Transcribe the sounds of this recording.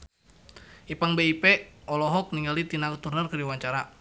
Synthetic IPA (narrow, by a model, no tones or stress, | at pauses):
ʔipaŋbeipeʔɔlɔɦɔk̚niŋɡalit̪inakut̪urnərkərdiwaɲt͡ʃaɾa